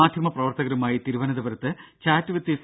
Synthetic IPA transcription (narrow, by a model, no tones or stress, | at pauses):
aːd̪ʱjɐmɐprɐʋɐrt̪ɐɣɐɾumaːjit̪iɾuʋɐnɐd̪ɐbɐɾɐt̪ːɨt͡ɕaːtːɨʋɐt̪ːis